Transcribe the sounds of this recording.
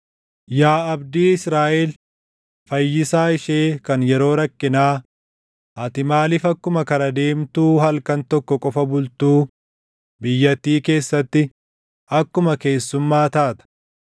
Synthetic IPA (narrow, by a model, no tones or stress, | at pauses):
jaːɐbd̪iːɪsɾaːʔɛl | fɐjːɪsaːɪʃe̞ːkɐnjɛɾo̞ːɾɐkːɪnaː | ʔɐt̪ɪmaːlɪfɐkːʊmɐkɐɾɐd̪e̞ːmt̪uːhɐlkɐnt̪ɔkːɔkʼɔfɐbʊlt̪uː | bɪjːɐt̪ːiːke̞ːsːɐt̪ːɪ | ɐkːʊmɐke̞ːsːʊmːaːt̪aːt̪ɐ̥